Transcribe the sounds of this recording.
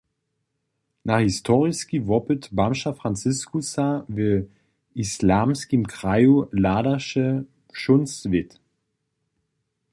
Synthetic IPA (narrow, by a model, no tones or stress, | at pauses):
naχhistʰɔʁɪskivɔpətbamʃafʁ̥ant͡sɪskusavə | islaːmskimkʁajulaːdɐʃə | ʃʊnsvɪt